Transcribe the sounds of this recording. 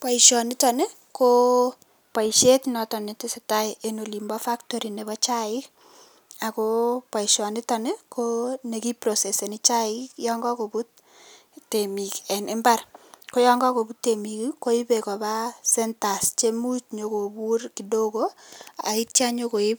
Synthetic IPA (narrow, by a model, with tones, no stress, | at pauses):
pa˨iʃɔ˨nɪ˦tɔ˨ne˦ | ko˦ | pa˨i˨ʃe˦tnɔ˨tɔ˨ne˨tɪ˦se˨ta˦ɪʔe˦no˨li˨mbɔ˦fa˦ktɔ˦ɾi˨ne˨βɔ˦t͡ʃa˦ɪ˦k | a˨ko˦pwa˨ɪ˨ʃɔ˨nɪ˦tɔ˨ne˦kʰo˦ne˨ki˦pɾo˨se˨se˨nɪ˦t͡ʃa˦ɪ˦kjɔ˦ŋɡɔ˦ko˨bu˦tː | e˨mi˨kɛ˨nʔɪ˦mba˦rko˦jɔ˦ŋɡɔ˦ko˨bu˦tːe˨mi˨kiko˦i˦pe˨kɔ˨ba˦sɛ˦nta˨st͡ʃe˦mu˦t͡ʃɲo˨ko˨bu˦ɾki˨do˦ko˦a̰˨i˦tja˦ɲo˦ko˨ɪ˦p